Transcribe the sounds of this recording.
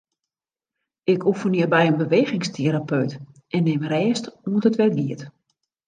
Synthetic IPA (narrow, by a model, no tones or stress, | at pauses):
ɪkʰufəniəbɛjənbəʋeːɣɪŋstʰeɾapʰøɥt | ʔɛnːɪmrɛːstuəntətʋɛrɡiət